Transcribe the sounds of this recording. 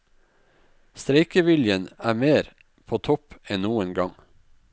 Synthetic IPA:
st̪ɾeɪkəʋɪljənæːmeːɾ | pʰoːt̪ʰɔpɛnnuːənɡɑŋ

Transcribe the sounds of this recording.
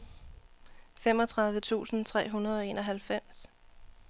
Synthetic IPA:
fem̰ɒ̽t͡sʰʁɑ̈ð̞ˠʋət͡sʰṵːsn̩t͡sʰʁɛ̰ːɦunɐð̞ˠɒ̽e̝ːnɒ̽ɦælfem̰s

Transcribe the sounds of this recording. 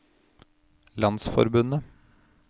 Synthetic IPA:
lɑnsfɔ̰ɾbʉnə

